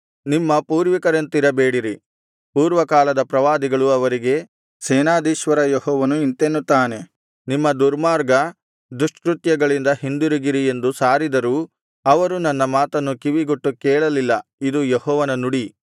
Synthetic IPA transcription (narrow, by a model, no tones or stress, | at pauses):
nimːɐpuːɾʋikɐɾɐnt̪iɾɐbeːɽiɾi | puːɾʋɐkaːlɐd̪ɐpɾɐʋaːd̪iɡɐɭuɐʋɐɾiɡe̞ | sɛːnaːd̪iːʃʋɐɾɐjehɔːʋɐnuint̪enːut̪ːaːne̞ | nimːɐd̪uɾmaːɾɡɐ | d̪ɾuʂʈkɾut̪jɐɡɐɭind̪ɐhind̪uɾiɡiɾie̞nd̪usaːɾid̪ɐɾuː | ɐʋɐɾunɐnːɐmaːt̪ɐnːukiʋiɡuʈːukɛːɭɐlilːɐid̪ujehɔːʋɐnɐnuɽi